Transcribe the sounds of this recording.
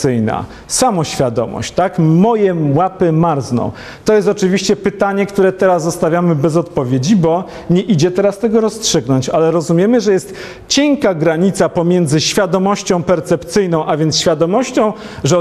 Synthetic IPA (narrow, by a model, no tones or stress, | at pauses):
ɘjna̰ | samɔɕfʲjad̪ɔ̰mɔ̰ɕt͡ɕt̪akmɔjɛwapɘmaɾznɔ̰̃w̃ | t̪ɔjɛst̪ɔt͡ʂɘvʲiɕt͡ɕɛpɘt̪aɲɛkt̪uɾɛt̪ɛɾazːɔst̪avʲjamɘbɛzɔt̪pɔvʲjed͡ʑibɔ | ɲɛʔid͡ʑɛt̪ɛɾast̪ɛɡɔɾɔstʂɘɡnɔɲt͡ɕalɛɾɔzumʲjɛmɘʐɛjɛst̪ | t͡ɕɛŋkaɡɾaɲit̪sapɔmʲjɛnd̪zɘɕfʲjad̪ɔmɔɕt͡ɕɔ̃w̃pɛɾt̪sɛpt̪sɘjnɔ̃w̃ʔavʲjɛnt̪ɕfʲjad̪ɔmɔɕt͡ɕɔ̃w̃ | ʐɛ